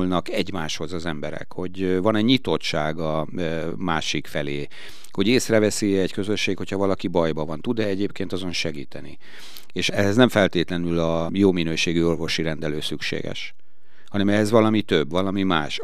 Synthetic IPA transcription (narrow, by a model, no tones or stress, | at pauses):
lnɒkɛɟmaːʃho̞zɒzɛmbɛɾɛ̰kho̞ɟvɒnɛɲit̪o̞tt͡ʃaːɡɒ | maːʃikfɛleː | ho̞ɟeːsrɛvɛsiɛckø̞zøʃːeːkho̞chɒvɒlɒkibɒjbɒvɒnt̪ud̪ɛɛɟeːp̚keːnt̪ɒzo̞nʃɛɡiːt̪ɛnḭ | eːʃɛɦɛznɛɱfɛlt̪eːt̪lɛnylɒjoːminøːʃeːɡyo̞rvo̞ʃiɾɛnd̪ɛløːsykʃḛːɡɛ̰ʃ | hɒnɛmɛɦɛzvɒlɒmit̪øbːvɒlɒmimaːʃ